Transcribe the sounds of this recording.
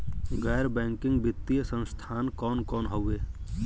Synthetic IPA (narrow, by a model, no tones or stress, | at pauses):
ɡɛːɾbɛ̃ːŋkɪ̃ŋɡbɪt̪ːijəsə̃nst̪ʰaːnkɔːnkɔːnɦəweː